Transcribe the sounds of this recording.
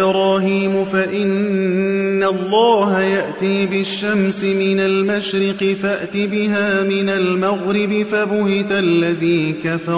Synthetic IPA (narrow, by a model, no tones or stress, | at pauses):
ɾɑːhiːmʊfaʔɪnː | alˤːɑːhajaʔt̪iːbɪʃːamsɪmɪnalmaʃɾɪqɪfaʔt̪ɪbɪɦaːmɪnalmaɣɾɪbɪfabʊhɪt̪alːaðiːkafɑ